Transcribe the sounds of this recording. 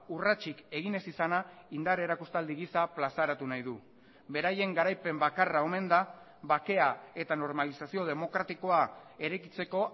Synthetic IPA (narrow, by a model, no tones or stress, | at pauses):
urat͡ʃike̞ɣ̞ine̞sisana | ind̪aɾeɾakust̪ald̪iɣ̞isaplasaɾat̪unajðu | be̞ɾaje̞ŋɡaɾajpe̞mbakarao̞me̞nd̪a | βake̞ae̞t̪ano̞ɾmalisasio̞ð̞e̞mo̞kɾat̪iko̞ae̞ɾe̞kit͡se̞ko̞